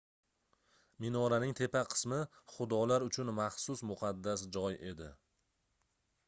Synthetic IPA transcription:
mɪnɒɾanɪŋt̪ʰe̞pʰaqʰɨ̥smɪχʊd̪ɒlaɾʊt͡ʃʰʊnmɑχsʊsmʊqʰɑd̪ːasd͡ʒɒje̞d̪ɪ

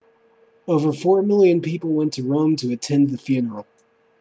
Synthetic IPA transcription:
oʊvə˞fɔɹmɪlˠjɨ̃npipl̩ˠwɛ̃ntʰɨɹõʊ̃mtʰɨɨtʰɛ̃nðɨfjʉnə˞l̩ˠ

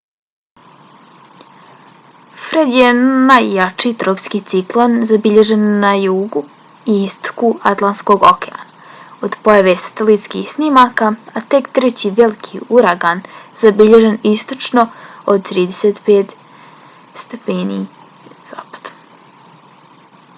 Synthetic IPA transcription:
fɾed̪jenajːat͡ʂiːt̪ɾopskit̪siklˠonzabiʎeʒenːajuɡu | iist̪o̥kuat̪lˠant̪sko̞ɡokea̰naod̪pojaʋesḁt̪elit̪skḭxsnimakaːt̪e̞kt̪ɾet͡ɕiʋelikʰiuɾaɡanzabiʎeʒe̞nist̪ot͡ʂno̞od̪̚t̪ɾiːd̪eset̪peːt̪ | st̪epeːnḭ | z̥a̰ːpḁd̪̥

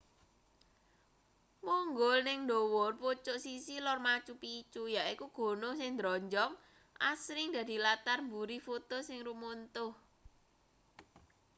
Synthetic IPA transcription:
muŋɡʊlnɪŋndowɔrpot͡ʃʊʔsisilɔrmat͡ʃupit͡ʃujaʔikuɡ̥o̤nʊhsɪŋd̪ɾɔɲd͡ʒɔŋ | ʔasɾɪŋd̪̥a̤d̪̥i̤lat̪armbuɾifot̪osɪŋrumont̪ʊh

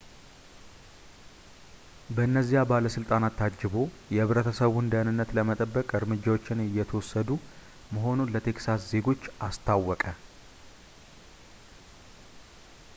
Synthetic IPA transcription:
bəɨnːəzːijabaləsɨlt̪ʼanat̪ʰːad͡ʒːɪβo̞ | jɛɨβɾət̪ʰəsəβʊnd̪ənɨnːət̪ləmət̪ʼəbːəkʼɨɾmɨd͡ʒːawo̞t͡ʃːɪnɨjːɛt̪ʰəwɔsːəd̪u | məɦo̞nunlət̪ʰe̞ksasze̞ɡo̞t͡ʃːʔast̪ʰawːɔkʼə

